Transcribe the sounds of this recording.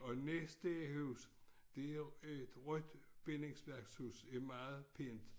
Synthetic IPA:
ɒ̽nesd̥əhuːs | d̥e̝æed̥ʁœd̥b̥ene̝ŋsʋæɐɡ̥shuːsæɐmɑ̈ːð̩ˠpʰe̝nd̥

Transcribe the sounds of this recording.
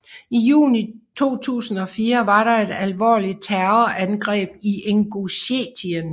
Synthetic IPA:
ijṵːnit͡sʰo̝̰ːt͡sʰṵːsn̩ɒ̽fiːɐʋɑ̈ɾɑ̈e̝d̥ælʋɒ̰ːli̥t͡sʰæɐɐʔænɡ̥ʁɛ̰ːb̥iʔeŋɡ̥uɕet͡sʰiən

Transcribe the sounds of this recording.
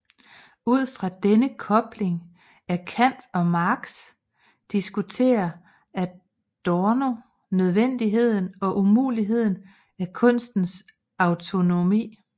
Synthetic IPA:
uð̞̰ˠfʁɑ̈d̥enəkʰɒ̽b̥le̝ŋ | æɐkʰæn̰d̥ɒ̽mɑ̈ɡ̥s | d̥isɡ̥ut͡sʰe̝̰ːɐ | æ | d̥ɒno̝ | nøð̞ˠʋen̰d̥iɦe̝ð̞̰ˠn̩ɒ̽ʔumṵːliɦe̝ð̞̰ˠn̩ | ækʰɔ̽n̰sd̥n̩s | ɑ̈ʊt͡sʰo̝no̝mḭː

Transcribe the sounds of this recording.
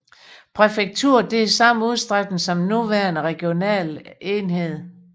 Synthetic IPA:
pʰʁɛfeɡ̥̚t͡sʰuɐ̰d̥e̝æsɑ̈m̰nuð̞ˠsd̥ʁaɡ̥dn̩sɒ̽mnuʋæɐnəʁɛɡ̥jo̝nɛ̰ːle̝nɦe̝ð̞̰ˠ

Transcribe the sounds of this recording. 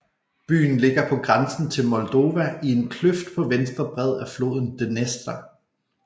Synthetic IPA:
b̥y̰ːn̩le̝ɡ̥ɐpʰɒ̽ɡ̥ʁansn̩t͡sʰe̝lmɒ̽ld̥o̝ːʋæie̝nkʰløfd̥̚pʰɒ̽ʋensd̥ʁɐb̥ʁɛð̞̰ˠæflo̝̰ːðˠn̩d̥enesd̥ɐ

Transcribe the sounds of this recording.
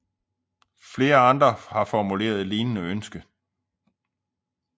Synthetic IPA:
fle̝ːɐɑ̈nd̥ʁɐhɑ̈fɒmule̝̰ːɐð̞ˠliːnənəønsɡ̥ə

